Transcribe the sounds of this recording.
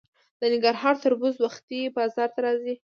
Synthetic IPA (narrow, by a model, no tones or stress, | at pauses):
d̪ənɪŋɡaɾɦɑɾt̪əɾbuzwaxt̪ibɑzɑɾt̪aɾɑzi